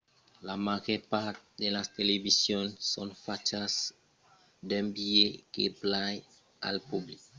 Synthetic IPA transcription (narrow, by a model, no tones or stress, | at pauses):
lamaʒeɾpaɾt̪d̪elast̪elevisjonsonfat͡ʃas | d̪embiekḛplaj | a̰lpublik